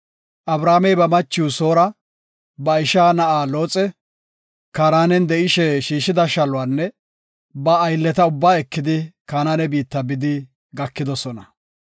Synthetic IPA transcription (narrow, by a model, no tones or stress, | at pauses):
ʔɐbɾaːmɛjbɐmɐt͡ʃːuːso̞ːɾɐ | bɐɪʃaːnɐʔaːlo̞ːt͡sʼɛ | kaːɾaːnɛnd̪ɛʔɪʃɛʃiːʃɪd̪ɐʃɐlʊwaːnːɛ | bɐːjlːɛt̪ɐʊbːaːɛkːɪd̪ɪkaːnaːnɛbiːt̪ːɐbɪd̪ɪ | ɡɐkːɪd̪ɔsɔnɐ